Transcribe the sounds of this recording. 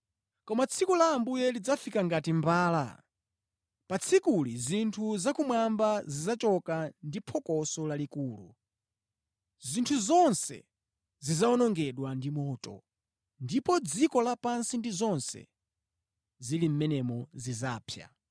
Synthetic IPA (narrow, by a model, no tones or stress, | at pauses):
kɔmat͡sʰikulaːmbujɛlid͡zafikaŋɡatimbaːla̰ | pat͡sʰikulizintʰuzakumwambazizat͡ʃɔkandipʰɔkɔsɔlalikuːlṵ | zintʰuzɔnsɛ̰ | zizaɔnɔŋɡɛɗwandimɔːtʼɔ̰ | ndipɔd͡zikɔlapansindizɔnsɛ̰ | zilim̩mɛnɛmɔzizaːpʰja̰